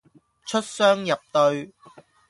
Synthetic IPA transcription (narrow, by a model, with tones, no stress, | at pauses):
t͡ʃʰɵ˥t̚sœː˥ŋjɐ˨p̚t̪ɵ˧ɥ